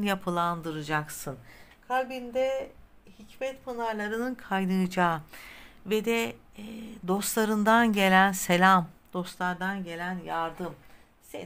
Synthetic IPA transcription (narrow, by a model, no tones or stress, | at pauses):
njapʰɯlˠand̪ɯɾɯd͡ʒaksɯnkʰalʲbind̪ɛ | hicmɛt̪pʰanaɾlˠaɾɯnɯnkʰajnɯd͡ʒaːɯved̪ɛ | d̪o̞st̪lˠaɾɯnd̪anɟe̞lʲænse̞lʲamd̪̥o̞st̪lˠaɾd̪anɟe̞lʲænjaɾd̪ɯm | sḛ